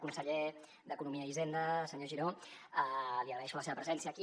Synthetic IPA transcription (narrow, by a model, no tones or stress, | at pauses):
kunsəʎe | d̪əkunumiəizend̪əsəɲoʒiɾoəliəɣɾəɛʃuləseβəpɾəzɛnsiəki